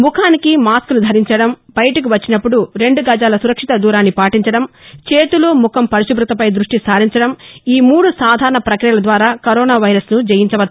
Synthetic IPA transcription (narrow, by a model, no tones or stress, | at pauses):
mukʰaːnikimaːskunud̪ʱɐɾiɲt͡ʃɐɽɐmbɐjɐʈɐk̬iʋɐt͡ʃːinɐpːuɽuɾe̞ɳɖuɡɐd͡ʒaːlɐsuɾɐkʂit̪ɐd̪uːɾaːnːipaːʈiɲt͡ʃɐɽɐmt͡ʃeːt̪uloːmukʰɐmpɐɾiʃubɾut̪ɐpɐjd̪ɾuʂʈisaːɾiɲt͡ʃɐɽɐmiːmuːɽusaːd̪ʱaːɾɐɳɐpɾɐkɾijɐlɐd̪ʋaːɾaːkɐɾɔːnaːʋɐjɾɐsnud͡ʒɐjiɲt͡ʃɐʋɐt̪